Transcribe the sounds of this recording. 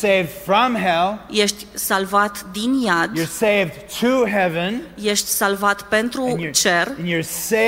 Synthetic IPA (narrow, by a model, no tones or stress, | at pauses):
eɪvd̥fɹʌ̃mɦɛlˠjeʃt̪ʲsalvat̪d̪injad̪jə˞seɪvtʰuɦɛvɨ̃njeʃt̪ʲsalvat̪pe̞nt̪ɾut͡ʃer̃njəse